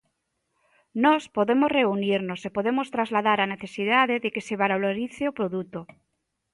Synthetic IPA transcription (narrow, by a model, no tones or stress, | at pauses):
nospoðemozreuniɾnosepoðemost̪ɾazlaðaɾaneθesiðaðeðekeseβaɾoloɾiθeopɾoðut̪o